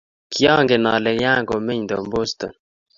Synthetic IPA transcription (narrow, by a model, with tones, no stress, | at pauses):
kjɔ˦ŋɡɪ˨nɔ˨lɛ˨kja˦ŋɡo˨mɪ˦ɲd̪o˨mbo˦st̪o̰˨n